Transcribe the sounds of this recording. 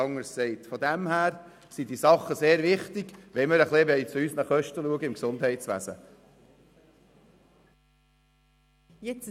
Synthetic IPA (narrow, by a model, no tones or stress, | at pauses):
ɑŋːəɾssɛɪtfɔd̪æmhæːɾ | sid̪isɑχːəseːɾʋɪχt̪ɪɡ̥ʋɛməɾəχlebɛɪt͡suysnəχœʃtəluəɡəɪmksʊnd̥̪hɛɪtsʋæ̰zə̰ | jɛt͡s